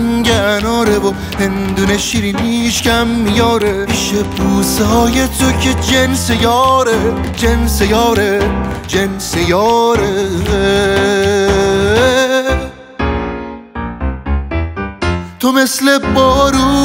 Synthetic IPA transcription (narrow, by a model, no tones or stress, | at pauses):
ŋɟenɔːɾebo | hend̪uneʃiɾiniʃcʲæmːijɒːɾeiʃebuːsɒːjet̪ʰocʰed͡ʒensejɒːɾe | d͡ʒensejɒːɾe | d͡ʒensejɒːɾe | t̪ʰomeslebɔːɾu